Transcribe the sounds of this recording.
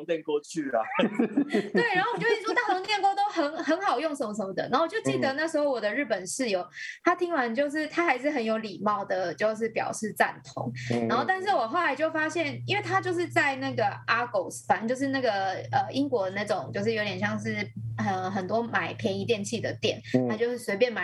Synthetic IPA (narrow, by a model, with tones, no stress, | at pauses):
ŋt̪ɛ˥˧nkɔ˥˧t͡ɕʰy˥˩la̰˨˩ | t̪we˥˩na˧˥o˥˩wt͡ɕjwɔ˥t̪a˥˩nt̪ʰo˧˥ŋt̪jɛ˥˧nkwɔ˥t̪o˥ʊxə˧˦˥nxə˧˥nxɑ˨˩ʊjo˥˩ŋʂə˧˦nmə˧˩ʂə˧˦mə˧˩d̪ə̰˨˩na˧˥˩wt͡ɕjʊt͡ɕi˥˩d̪ə˩na˥˩ʂɻ̩˧˥xo˥˩ʊwɔ˨˩d̪ə˦ɻ̩˥˩pə˨˩nʂɻ̩˥˩jo˨˩ʊt̪ʰa˥t̪ʰi˧˥ŋwa˧˦nt͡ɕjo˥˧ʊʂ̬ɻ̩˥˩t̪ʰa˥xa˧˥ɪʂ̬ɻ̩˥˩ɦə˧˥njo˧˥ʊli˨˩mɑ˥˩ʊd̪ə˩t͡ɕjo˥˧ʊʂ̬ɻ̩˥˩pjɑ̰˨˩ʊʂɻ̩˥˧t͡sa̰˥˩nt̪ʰo̰˧˥ŋna˧˥nxo˥˧ʊt̪a˥˧nʂ̬ɻ̩˥˩wɔ˨˩xʊla˧˦ɪt͡ɕjo˥˩ʊfa˥ɕjɛ˥˩ni˥nwe˥˩ɪt̪ʰa˥t͡ɕjo˥˧ʊʂ̬ɻ̩˥˧t͡sa˥˧ɪna˥˩ɡə˩ʔa˥ko˨˩ʊsa˧˥nt͡ɕjo˥˧ʊʂ̬ɻ̩˥˧na˥˩ɡə˩ə˩ʔi˥ŋkwɔ˧˥˧na˥˩ɪʈ͡ʂʊ˨˩ŋt͡ɕjo˥˧ʊʂ̬ɻ̩˥˩jo˧˥ʊt̪jɛ˨˩ɕjɑ˥˧ŋʂ̬ɻ̩˥˩ə˧˩xə˨˩nt̪wɔ˥ma˨˩ɪpʰjɛ˧˥ŋi˧˥t̪jɛ˥˧˨nt͡ɕʰi˥˩d̪ə˩t̪jɛ̰˨˩nt̪ʰa˥˧t͡ɕjo˥˧ʊʂɻ̩˥˩swe˧˥ɪpjɛ˥˧nma˨˩